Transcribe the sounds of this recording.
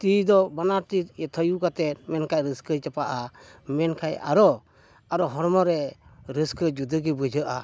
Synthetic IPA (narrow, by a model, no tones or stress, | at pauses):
t̪id̪ɔbanaɾt̪it̪ɛt̪ʰəjukat̪ɛt̪̚mɛnkajɾəskət͡ʃapaʔamɛnkʰaja̰ɾɔ | aɾɔɦɔɾmɔɾɛɾəskəd͡ʒud̪əɡibəd͡ʒʱəʔa